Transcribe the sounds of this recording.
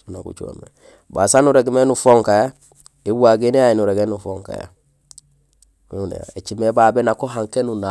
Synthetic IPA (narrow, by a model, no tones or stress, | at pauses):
una̰kṵt͡ʃua̰mḛ | ba̰sanuɾeɡmenufoŋkaja | iwaɡeneainuɾeɡenufoŋka̰ja̰ | nḛja̰et͡ʃimebabenakoɦãŋkenuna